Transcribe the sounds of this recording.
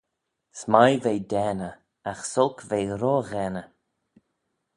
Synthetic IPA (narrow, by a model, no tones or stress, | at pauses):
smajvejd̪ɛːnə | axsɔlˠkvejɾoːɣɛnə